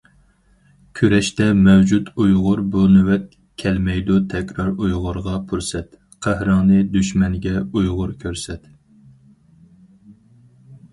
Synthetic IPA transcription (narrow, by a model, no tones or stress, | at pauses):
kʲʰøɾɛʃt̪ɛmɛwd͡ʒut̪ujʁʊɾbunywɛt̪̚ | kʲʰɛlmɛjd̪ut̪ʰɛkʲɾɑɾujʁʊɾʁɑpʰuɾsɛt̪ | qʰæhɾɑŋnɨd̪yʃmɛŋɡʲɛujʁʊɾkʲʰøɾsɛt̪